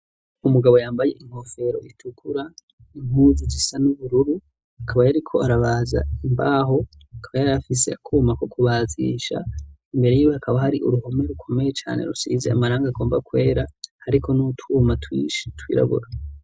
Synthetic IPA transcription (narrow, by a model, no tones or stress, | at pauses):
umuɡaβo̞jaːmbaje̞ʔiŋho̞fe̞ɾo̞̰ʔitʰukʰuɾa | iŋhuːzid͡ʒisanuβuɾuɾu | akʰaβajaɾikʰo̞aɾaβaːza̰imbaːɦo̞ | akʰaβajaɾafise̞akʰumakokuβaːzḭʃa̰imbe̞ɾe̞jijohakʰaβahaɾiʔuɾuho̞me̞ɾukʰo̞mejet͡ʃa̰ːne̞̰ɾusiːze̞̰a̰maɾaːŋɡaɡo̞ːmbakwe̞ːɾahaɾikʰo̞nutʰumatwḭʃtwḭːɾa̰βṵɾa